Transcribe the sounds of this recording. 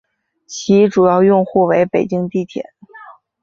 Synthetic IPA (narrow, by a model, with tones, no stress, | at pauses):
t͡ɕʰi˧˥ʈ͡ʂu˨˩jɑ˥˧ʊjʊ˥˧ŋxu˥˩we˧˥ɪpe˨˩ɪt͡ɕi˥ŋt̪i˥˩t̪ʰjɛ̰˨˩˦n